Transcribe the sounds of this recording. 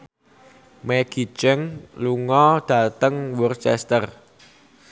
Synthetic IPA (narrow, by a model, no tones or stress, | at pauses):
meɡ̥i̤t͡ʃəŋluŋɔd̪̥ä̤t̪əŋwɔrt͡ʃɛst̪ər